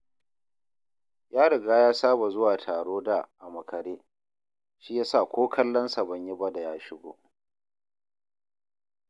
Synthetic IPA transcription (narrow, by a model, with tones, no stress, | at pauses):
jaː˦ɽɐ˨ɡaː˦jaː˦saː˦ba˨zʊ˦waː˨tʰaː˨ɽoː˦da˨ʔa˨mɐ˨kɐ˨ɾeː˦ | ʃiː˦jaː˦sa˦˨kʷʰoː˦kʰɐ˦lːɐ˦nsa˨bɐ˨ɲji˦ba˦da˨jaː˦ʃɪ˦ɡʷo̰ː˦